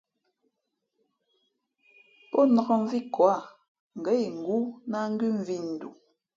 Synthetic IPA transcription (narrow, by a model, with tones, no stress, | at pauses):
pɔ˦nɔ˨ɣɔ˨ɱ˦vi˦kwa˦˨ | ŋ̩˨ɡɛ˨˦i˨ŋ̩˨ɡu˦na˦ŋ̩˦ɡi˦ɱ̩˨vi˦n̩˨dṵ˨